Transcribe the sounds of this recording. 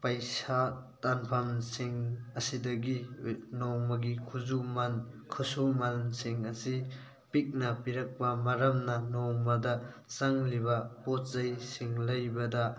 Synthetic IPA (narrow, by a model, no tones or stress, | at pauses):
pɐjsatanpʰɐmsiŋɐsidɐɡinowmɐɡikʰuzumankʰusumansiŋɐsi | pik̚nɐpiɾɐk̚pɐmɐɾɐmnɐnɔwmɐdɐ | saŋlibɐpot̚zɐjsiŋlɐjbɐdɐ